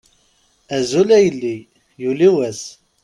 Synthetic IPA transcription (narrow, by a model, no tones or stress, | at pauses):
æzulæjəlːi | juliwæs